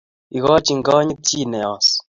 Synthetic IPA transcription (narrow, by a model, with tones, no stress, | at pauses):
i˨ɣɔ˦t͡ʃi˨ŋ˨ɡɔ˦ɲi˦ti˦˨nɛ˨ɔ˨s